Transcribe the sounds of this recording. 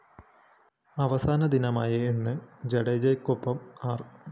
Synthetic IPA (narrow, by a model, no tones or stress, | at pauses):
ɐʋɐsaːnɐd̪inɐmaːjɐenːɨd͡ʑeɽɐjd͡ʑɐjkːopːɐmaːr